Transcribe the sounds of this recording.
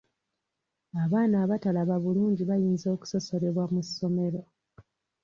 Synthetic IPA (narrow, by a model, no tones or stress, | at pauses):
aβaːnaːβatalaβaβuluːɲɟiβajiːnzo̞ːku̥so̞so̞ɾe̞βwamusːo̞me̞ɾo̞